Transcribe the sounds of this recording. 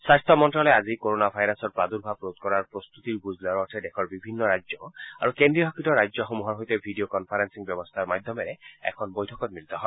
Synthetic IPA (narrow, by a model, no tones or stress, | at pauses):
sast̪ʰɔmɔntɹɔlɛazikoɾonabʱajɾasɔɹpɹad̪uɾbʱapɹot̪kɔɹaɹpɹɔst̪ut̪iɹbuzlɔɹɔtʰɛdɛkʰɔɹbibʱinːɔɹajzɔa̰ɹukendɹiɦɔkitɔɹajzɔxomuɦɔɹɦojt̪ɛbʱiɖiokɔnpʰaɾansiŋbjɔbɔst̪ʰaɹmajd̪ʱːɔmeɾɛɛ̰kʰɔnbojtʰɔkɔt̪̚milit̪ɔɦɔ